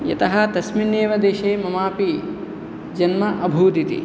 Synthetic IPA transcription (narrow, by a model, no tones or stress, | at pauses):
jɐ̰t̪ɐɦɐt̪ɐsminːeːʋɐd̪eːʃeːmɐmaːpi | d͡ʒɐnmɐʔɐbʱuːd̪it̪ḭ